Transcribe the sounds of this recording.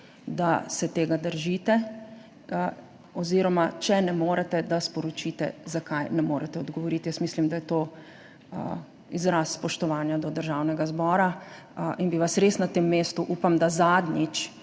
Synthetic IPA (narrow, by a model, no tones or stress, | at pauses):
d̪asɛt̪eːɡad̪əɾʒiːt̪ɛ | ɔziːɾɔmat͡ʃɛnɛmoːɾɛt̪ɛd̪aspɔɾɔt͡ʃiːt̪ɛ̰zakajnɛmoːɾɛt̪ɛɔd̪ɡɔʋɔɾit̪jəsmislimd̪ajɛt̪oː | izɾaːsːpɔʃt̪ɔʋaːnjad̪ɔd̪əɾʒaːwnɛɡazbɔːɾa | ʔinbiʋasɾeːsnat̪emːeːst̪uʔuːpamd̪azaːd̪nit͡ʃ